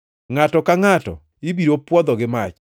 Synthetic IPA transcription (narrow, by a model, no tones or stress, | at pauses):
ŋatɔkaŋatɔ̰ | ibiɾopwɔd̪ɔɡɪmat͡ʃ